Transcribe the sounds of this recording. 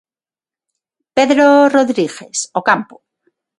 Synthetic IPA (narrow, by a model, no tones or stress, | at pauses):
pe̞ðɾoroðɾiɣe̞sokampo̥